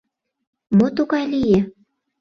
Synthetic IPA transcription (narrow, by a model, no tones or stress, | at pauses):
mot̪oɣɑlije